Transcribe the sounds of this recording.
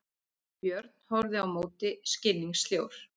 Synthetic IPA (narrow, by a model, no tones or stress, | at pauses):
pjœɾt̪̚n̥hɔɾðɪawmoːwt̪ɪscɪnːiŋst̪ljowɾ̥